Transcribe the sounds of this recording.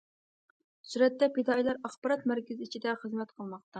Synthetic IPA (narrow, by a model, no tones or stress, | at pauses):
syɾɛt̪ːɛpɪd̪ɑilˠɑɾɑχbɑɾɑt̪̚mæɾkʲɪzɪit͡ʃʰid̪ɛχəzmɛt̪qʰəlˠmɑq̚t̪ɑ